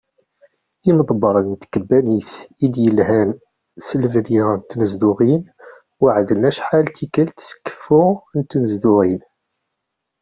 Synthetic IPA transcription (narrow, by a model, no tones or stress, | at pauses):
iməðˤbɑɾˤənt̪kəbːæniθid̪jəlhæn | səlvliʁnt̪nəzd̪uʁin | wəʕðənæʃħalt̪ikəlt̪sə̥kːə̥fːuʁnt̪ːnəzd̪uʁin